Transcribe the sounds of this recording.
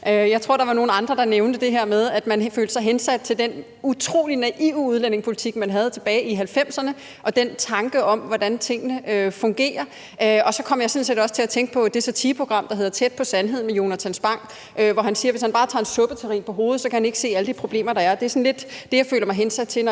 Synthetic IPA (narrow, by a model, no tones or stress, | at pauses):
øjɑ̈ɪt͡sʰʁo̝ɐ̰ɾ̥ɑ̈ʋɑ̈no̝ːn̩ɑ̈nd̥ʁɐd̥ɑ̈neʊnd̥əd̥e̝ɦeɐmeðˠæd̥mænfø̰ːld̥ə̥sɑ̈ɪɦensæd̥̚t͡sʰe̝ld̥en | ut͡sʰʁo̝̰ːlinæʔiʊuð̞̩ˠlæn̰e̝ŋspʰo̝lit͡sʰiɡ̥mænɦæð̞̩ˠt͡sʰe̝b̥ɛːɪʔiɦælfem̰sɐnə | ʔɒ̽d̥ent͡sʰɑ̈ŋɡ̥əʔɒ̽mʋɒd̥ænt͡sʰe̝ŋ̰ənəøfɔ̽ŋɡ̥e̝̰ːɐ | ʔɒ̽sɒ̽kʰɒ̽m̰jɑɪsɔmnsedɒ̽sə̥t͡sʰe̝læt͡sʰeŋɡ̥ə̥pʰɒ̽d̥e̝sɒt͡sʰiːpʰʁoɡ̥ʁɑ̈m̰d̥ɑɦe̝ð̞ˠɐt͡sʰed̥̚pʰɒ̽sænɦe̝ð̞̰ˠmejo̝næt͡sʰænsb̥ɑ̈ŋ̰ | ʔøʋɒɦænsiːɐʋeshænbɑːt͡sʰɑ̰̈e̝nsɔ̽b̥ət͡sʰeʁḭːnpʰɒ̽ɦo̝ːð̞̩ˠsɒ̽kæhæne̝ɡ̥əse̝̰ːæləd̥ipʰʁo̝b̥le̝̰ːmɐɾɑ̈æɐd̥e̝æɐsɒ̽nle̝d̥d̥e̝jɑ̈ɪfø̰ːlɐmɑ̈ɪɦensæd̥̚t͡sʰe̝n